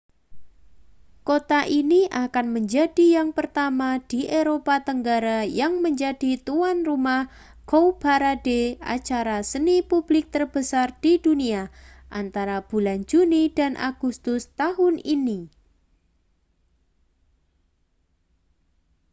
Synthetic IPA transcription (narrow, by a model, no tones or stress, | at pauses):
kot̪aʔiniʔakanməɲd͡ʒadijaŋpərt̪amad̥iʔeɾopat̪əŋɡaɾajaŋməɲd͡ʒadit̪uanrumah | ɡ̥owb̥aɾadea̰t͡ʃaɾasənipublɪk̚t̪ərbəsard̥iduniaʔa̰nt̪aɾab̥uland͡ʒunidanʔa̰ɡ̥ust̪ʊst̪aɦʊnini